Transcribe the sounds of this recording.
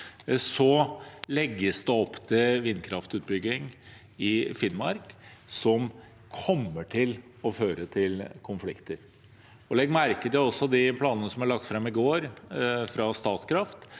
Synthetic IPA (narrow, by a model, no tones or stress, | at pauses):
sɔlɛɡːəsd̪ɛɔpːt̪ʰɪlʋɪnːkʰɾɑft̪ʉːt̪̚bʏɡːɪŋ | ɪfɪnmɑ̰ɾksɔm | kʰɔmːəʈʰɪlɔføːɾət̪ʰɪlkʰʊnflɪkt̪əɾ | ɔlɛɡːmæɾkət̪ɪlɔsːɔd̪ɪpʰlɑːnənəsɔmæɭɑk̚t̪fɾɑmɪɡoːɾfɾɑst̪ɑːt̪skʰɾɑft̪